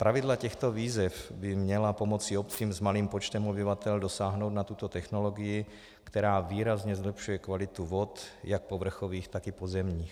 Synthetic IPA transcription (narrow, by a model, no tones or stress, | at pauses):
pɾavɪdlacɛxt̪oviːzɛfbɪmɲɛlapomot͡sɪop̚t͡siːmzmaliːmpot͡ʃt̪ɛmobɪvat̪ɛldosaːɦnowd̪nat̪ut̪ot̪ɛxnoloɡɪjɪ | kt̪ɛɾaːviːɾazɲɛzlɛpʃujɛkvalɪt̪uvot̪jak̚povr̩xoviːxt̪akɪpozɛmɲiːx